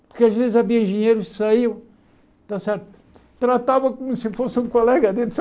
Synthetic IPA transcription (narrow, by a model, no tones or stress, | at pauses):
puɾkaʒvezzɐviɐĩʒɨɲejɾuʃsɐiw | t̪asɛɾt̪u | t̪ɾɐt̪avɐkomusɨfosũkulˠɛɣɐd̪ẽt̪s